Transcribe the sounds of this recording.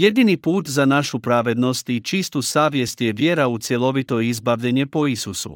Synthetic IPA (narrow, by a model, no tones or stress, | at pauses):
je̞d̪inipuːt̪zanaʃupɾaːʋe̞d̪no̞st̪it͡ʃist̪usaːʋje̞st̪je̞ʋje̞ɾaut̪sje̞lo̞ʋit̪o̞izbaʋʎeɲepo̞isusṵ